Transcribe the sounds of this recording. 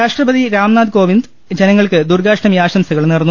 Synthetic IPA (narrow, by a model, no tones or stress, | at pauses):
aːʂʈrɐbɐðiɾaːmnaːd̪ko̞ːʋind̪ | d͡ʑenɐŋːɐɭkɨd̪urɡaːʂɳɐmjaːɕɐmsɐɣɐɭnirɐnːu